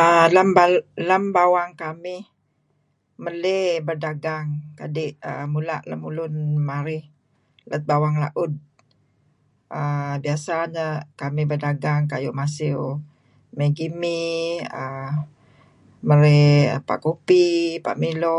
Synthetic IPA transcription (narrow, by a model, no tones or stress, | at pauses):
əlambalambawaŋkamɪh | məlebərdaɡaŋkadɪʔə̰mula̰ʔləmulʊnmaɾɪh | lət̪̚bawaŋla̰ʔʊd̚ | ʔəbiasaɲəkamɪhbərdaɡaŋkajṵʔmasɪw | meɡimiə | məɾeə̰pa̰ʔkupipa̰ʔmilo